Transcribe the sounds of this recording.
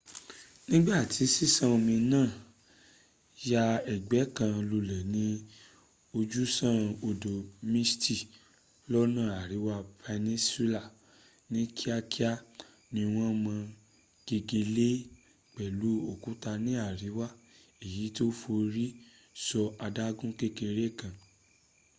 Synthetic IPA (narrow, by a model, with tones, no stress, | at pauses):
nĩ˦ɡ͡ba˦˨ti˨˦si˦sã˦o˧mĩ˧nãː˦˨ | ja˧ɛ˨ɡ͡bɛ˨˦kã˧lu˧lɛ˨nĩ˧˦ | o˧d͡ʒu˦sã˦˨o˧do˨mĩ˦sti˦˨ | lɔ˦nã˦˨a˨ɾi˨˦wa˦pʰe˧nĩ˦si˦la˦˨ | nĩ˦kʰi˦a˦ki˦a˦ | nĩ˧w̃ɔ̃˦mã˧ | ɡ̥e˧ɡe˧le˦ | k͡pɛ˨lu˨˦o˦˨kũ˦ta˧nĩ˨˦a˦˨ɾi˨˦wa˦˨ | e˨ji˨˦to˦fo˧ɾi˦ | sɔ˧a˧da˦ɡũ˦ke˦ke˧ɾe˦˨kã˨